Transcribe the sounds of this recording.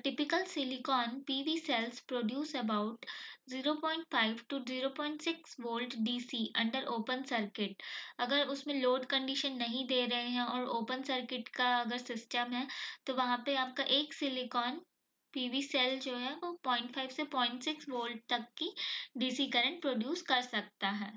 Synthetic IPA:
ʈɪpɪkəlsɪlɪkɔːnpiːʋiːsɛlspɾoːɖjuːsɛbaʊʈziːɾopɔːɪ̃ɳʈfaːɪʋʈuziːɾopɔ̃ːɪ̃ɳʈsɪksʋoːlɖɖiːsiːʔɐ̃ɳɖəɾʔoːpə̃nsɐɾkɪʈ̚ɐɡəɾʊsmẽloːɖkɐ̃ɳɖiʃənːɐɦĩd̪eːɾɐɦeɦɛ̃ɔːɾoːpə̃nsɐɾkɪʈkaɐɡəɾsɪsʈəmɦɛːt̪oʋɐɦãpeaːp̚kaʔeːksɪlɪkɔːn | piːʋiːsɛld͡ʒoːɦɛʋopɔ̃ːɪ̃ɳʈfʰaːɪʋsepɔ̃ːɪ̃ɳʈsɪksʋoːlɖ̚t̪ɐkːiɖiːsikɐɾə̃ɳʈ̚pɾoːɖjuːskɐɾsɐk̚t̪aɦɛː

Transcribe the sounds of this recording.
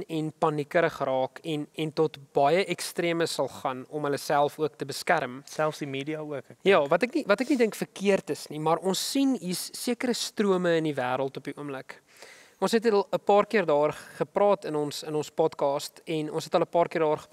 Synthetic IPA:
ɛnpɐnikəɾəχəɾɑːkɛnɛntɔtb̥ɐjəʔɛkstriəməsɐlˠχɐnɔmɦələsælˠfuək̚təbəskærmsælˠfsdimeːdiɑuəkjɑːvɐtəknivɐtəknidəŋkfərkiərtəsnimɐrʔɔnsːinisːiəkəɾəstruəməəndivæːɾəlˠtɔpiʔuəmlək | ɔnsɦɛtəlˠəpɑːrkiərdɑːrχəprɑːtənɔnsənɔnspɔtkɑːstɛnɔ̰nsɛtɦəlˠəpɑːrkiərdɑːrχə

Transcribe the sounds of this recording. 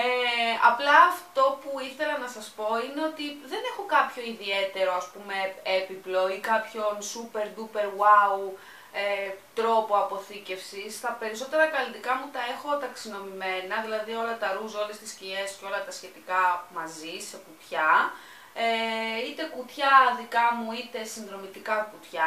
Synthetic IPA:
eɐplɐːft̪o̞puiθe̞lɐnɐsɐspo̞ine̞o̞t̪iðe̞ne̞xo̞kɐpço̞iðie̞t̪e̞ɾo̞ɐspume̞epiploikɐpço̞nsupe̞ɾd̪upe̞ɾwɐu | et̪ɾo̞poɐpo̞θice̞fsist̪ɐpe̞ɾiso̞t̪e̞ɾɐkɐlit̪ikɐmut̪ɐe̞xo̞t̪ɐksino̞mime̞nɐðilɐðio̞lɐt̪ɐɾuzo̞lest̪iscie̞sceo̞lɐt̪ɐsçe̞t̪ikɐmɐzise̞kut̪çɐ | eit̪e̞kut̪çɐðikɐmuit̪e̞sinðɾo̞mit̪ikɐkut̪çɐ

